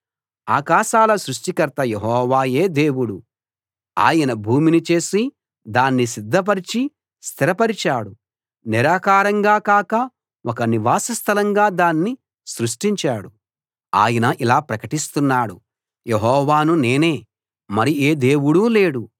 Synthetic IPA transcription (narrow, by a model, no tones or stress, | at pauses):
aːkaːʃaːlɐsɾuʂʈikɐɾt̪ɐjeɦɔːʋaːje̞ːd̪e̞ːwuɽu | a̰ːjɐnɐbʱuːminit͡ʃe̞ːsi | d̪aːnːisid̪ʱːɐp̬ɐɾit͡ʃi | st̪ʰiɾɐpɐɾit͡ʃaːɽu | niɾaːkaːɾɐŋɡaːkaːkɐ | wɔkɐniʋaːsɐst̪ʰɐlɐŋɡaːd̪aːnːi | sɾuʂʈiɲt͡ʃaːɽu | a̰ːjɐnɐʔilaːpɾɐkɐʈist̪unːaːɽṵ | jeɦɔːʋaːnune̞ːne̞ː | mɐɾieːd̪eːwuɽule̞ːɽu